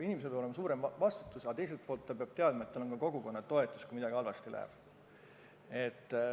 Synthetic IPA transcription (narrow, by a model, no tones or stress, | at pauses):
inimes̬peolemɑsuːɾemvɑst̪u̥t̪ːˑusɑt̪e̞js̬e̞lt̪̚polt̪ːɑpeɑb̥t̪e̞ɑd̪̥̚mɑet̪ːɑlonkɑkoɡ̥uko̞nːɑt̪o̞e̞t̪ːˑu̥skumid̪ɑɡiɑlvɑst̪ilæ̰ḛb̥ | e̞t̪ː